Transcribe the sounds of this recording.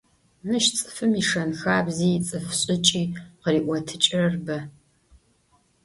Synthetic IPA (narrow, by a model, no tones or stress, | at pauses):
mɨʃt͡sʼɨ̥fɨmiʂɐnxaːbziːt͡sʼɨfɕʼɪt͡ʃʼiːqəriːʔʷɔtʰɨt͡ʃʼɪrɐrbɐ